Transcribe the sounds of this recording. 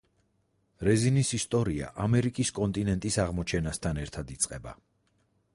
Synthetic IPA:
ɾɛzinisist̪ʼɔɾia̰ʔamɛɾikʼiskʼɔnt̪ʼinɛnt̪ʼisaʁmɔt͡ʃʰɛnast̪ʰanɛɾt̪ʰad̪it̪sʼqʼɛba̰

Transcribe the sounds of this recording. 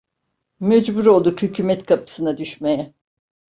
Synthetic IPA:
mɛd͡ʒbuɾo̞lˠd̪ukhycʰyːmɛt̪kʰapʰɯ̥sɯnad̪yʃmejɛ

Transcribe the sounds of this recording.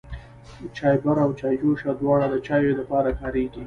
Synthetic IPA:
t͡ʃɑjbaɾawt͡ʃɑjd͡ʒoʃad̪wɑɽad̪ət͡ʃɑjolapɑɾakɑɾeɡi

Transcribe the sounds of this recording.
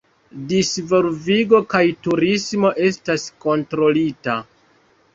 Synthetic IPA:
disvo̞lviɡo̞kajtuɾismo̞ʔe̞stasko̞ntɾo̞lita

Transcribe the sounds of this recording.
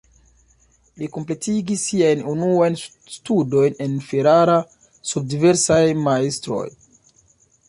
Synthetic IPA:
likomple̞tiɡisːiajnunuajn | studo̞jne̞nfeɾaɾa | sub̚dive̞ɾsajmaestɾo̞̰j

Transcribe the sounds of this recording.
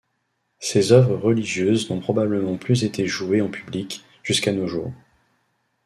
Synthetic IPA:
sezœvʁəʁəliʒjøznɔ̃pχɔbabləmɑ̃plyzet̪eʒueɑ̃pʰyblik | ʒ̥yskanoʒṵːʁ

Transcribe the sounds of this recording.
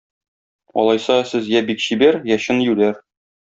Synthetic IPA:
ɒ̰lˠɑjsɑsɘzjæbikɕibæɾjæɕɤnjʉlæɾ

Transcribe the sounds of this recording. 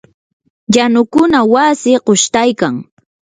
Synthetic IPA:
janʊkʊnawasɪqoʃt̪ajkaŋ

